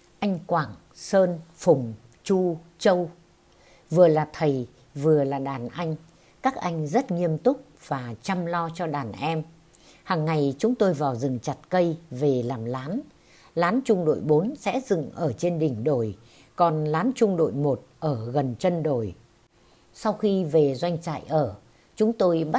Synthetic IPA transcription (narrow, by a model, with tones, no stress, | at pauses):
ʔa˧jŋ̟kwaː˧˩ŋ | səː˧nfʊ˨˩ŋ͡m | t͡ɕu˧ | t͡ɕə˧w | vɨ˨˩əlaː˨˩t̪ʰə˨˩j | vɨ˨˩əlaː˨˩ɗaː˨˩nʔa˧jŋ̟ | kaː˦˥k̚ʔa˧jŋ̟zə˦˥t̚ŋi˧əmt̪ʊ˦˥k͡p̚v̥aː˨˩t͡ɕa˧mlɔ˧t͡ɕɔ˧ɗaː˨˩nʔɛ˧m | haː˨˩ŋːa˨˩jt͡ɕʊ˨˦ŋ͡mt̪o˧jvaː˨˩wzɨ˨˩˨ŋt͡ɕa˨˩t̚kə˧jve˨˩laː˨˩mlaː˨˦n | laː˨˦nt͡ɕʊ˧ŋ͡mɗo̰˧˨jɓo˨˦nsɛ̰˧˥zɨ̰˧˨ŋʔəː˧˩t͡ɕe˧nɗï˨˩ŋ̟ɗo˧˩j | kɔ˨˩nlaː˨˦nt͡ɕʊ˧ŋ͡mɗo̰˧˨jmo˨˩t̚ʔəː˧˩ɣə˨˩nt͡ɕə˧nɗo˨˧˩j | sa˧wxi˧ve˨˩zwa˧jŋ̟t͡ɕa̰ː˧˨jʔəː˧˩ | t͡ɕʊ˨˦ŋ͡mt̪o˧jɓa˦˥